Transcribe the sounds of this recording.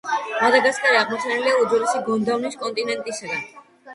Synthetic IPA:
mad̪aɡaskʼaɾiaʁmɔt̪sʰanɛliauzɔlisiɡɔnd̪avniskʼɔnt̪ʼinɛnt̪ʼisaɡ̪an

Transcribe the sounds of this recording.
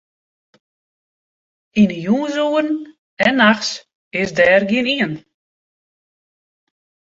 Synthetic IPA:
inəjuːzuərn | ɛnːaxs | ɪsdɛːrɡiəniən

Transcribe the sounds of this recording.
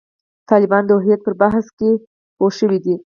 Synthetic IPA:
t̪ɑlɪbɑnd̪əʊɦjat̪̚pəɾbaɦske | poʃəwid̪i

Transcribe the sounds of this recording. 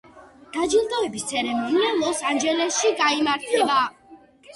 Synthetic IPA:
d̪̥ad͡ʒilˠd̪ɔɛbist̪sʰɛɾɛmɔnialˠɔsand͡ʒɛlɛsʃiɡaimaɾt̪ʰɛba

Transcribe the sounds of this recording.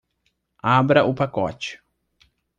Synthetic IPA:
abɾɐʔʊpakɔ̰t͡ʃɪ̥

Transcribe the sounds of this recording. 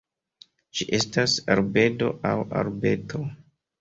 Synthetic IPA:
t͡ʃiʔestasaɾbe̞do̞̰ʔawa̰ɾbe̞tʰo̞

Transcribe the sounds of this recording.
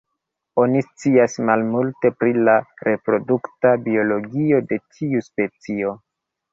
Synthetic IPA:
o̞nist͡siasmalmulte̞pɾilaɾʔe̞pɾo̞duktabio̞lo̞ɡio̞de̞tʰiuspe̞t͡sio̞

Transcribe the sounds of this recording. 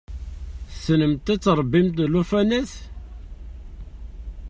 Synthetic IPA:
snəmt̪æt͡sːɾˤəbːimt̪lufænæθ

